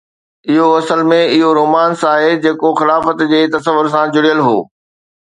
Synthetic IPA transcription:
ɪɦoɐsəlmẽɪɦoɾoːmaːnsaːɦed͡ʑeːkoxɪlaːfət̪d͡ʑeːt̪ɐsəʋʊɾs̬ãd͡ʑʊɽijəlɦo̰ː

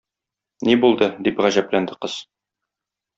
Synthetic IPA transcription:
nibulˠd̪ɤd̪ipʁæʑæplænd̪ɘqɤz̥

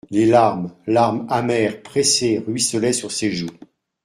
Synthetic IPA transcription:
lelaʁmlaʁmamɛʁpχeseʁɥisəlɛsyʁseʒu

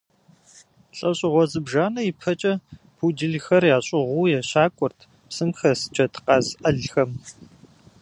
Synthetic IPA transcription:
ɬʼɐɕʼɪʁʷɔzɨbʒaːnɐipʰɐt͡ʃʼɐ | pʰudɨɮxɐrjaːɕʼɪʁʷuːjɛɕaːkʷʼʊrtʰ | psɨmxɐst͡ʃʰʼɐtʰqɑːzʔɐɮxɐm

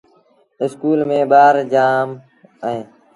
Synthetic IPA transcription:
ɪskuːlmẽːɓaːɾd͡ʒaːm | əɦẽː

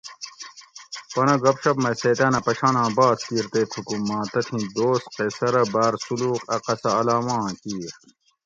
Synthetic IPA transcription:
pɐnɐɡɐpɕɐpmɐseːt̪ɐnɐpɐɕaːnãːbaːskiːɾt̪eːt̪ʰukumːãːt̪ɐt̪ʰĩd̪oːsqesɐɾɐbaːɾsuluːqɐqɐsɐɐlaːmãːkiːɾ

